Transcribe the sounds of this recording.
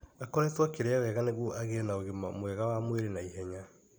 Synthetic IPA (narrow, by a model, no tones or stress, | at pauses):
akɔɾɛtwakeɾeawɛɣaneɣoʔaɣenaoɣemamwɛɣawamweɾenaiɦɛɲa